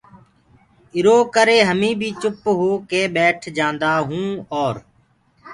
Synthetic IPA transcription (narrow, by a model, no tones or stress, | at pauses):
ɪɾoːkəɾeːɦəmĩːbʱiːt͡ʃʊpɦoːkeːɓeːʈʰd͡ʒãːnd̪aːɦũːɔːɾ